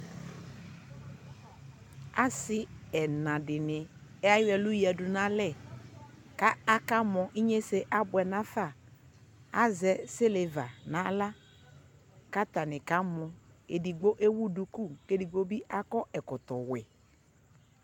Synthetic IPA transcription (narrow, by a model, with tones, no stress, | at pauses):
a˦sɪ˦ɛ˨nã˨dɪ˨nɪ˨ɛ˦a˦jɛ˨lʊ˦jɛ˨dʊ˨nã˨˦lɛ˦˨ | ka˦a˦ka˦mɔ̃˨ʔi˦ɲe˦se˦ʔa˦bʊ˨ɛ˨nã˦fa˦˨ | a˦zɛ˨se˦le˨va˨nã˨˦la˦ | ka˦ta˨nɪ˨ka˦mɔ̃˨e˨di˨ɡ͡bo˦ʔe˦wu˦du˨ku˦ke˦di˨ɡ͡bo˦bi˦ʔa˦kɔ˦ʔɛ˨kɔ˨t̪ɔ˨wɛ̰˨